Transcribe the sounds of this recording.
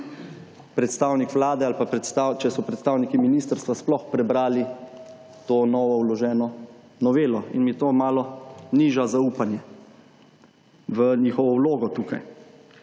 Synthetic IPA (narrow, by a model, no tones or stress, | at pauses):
pɾɛt̪st̪aːwnikʋlaːd̪ɛalpapɾɛt̪st̪at͡ʃɛsɔpɾɛt̪st̪aːwnikiminiːst̪əɾst̪ʋasplɔxpɾɛbɾaːli | t̪oːnɔːʋɔwlɔʒɛːnɔ | nɔʋeːlɔinmjɛt̪oːmaːlɔniʒazauːpanjɛ | ʋəniːxɔʋɔwloːɡɔt̪uːkaj